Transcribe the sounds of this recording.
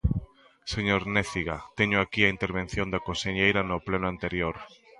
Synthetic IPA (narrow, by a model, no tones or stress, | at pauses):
seɲoɾneθiɣat̪eɲʊakiaint̪eɾβ̞en̟θjõnd̪akoseɲejɾanoplenʊant̪eɾjoɾ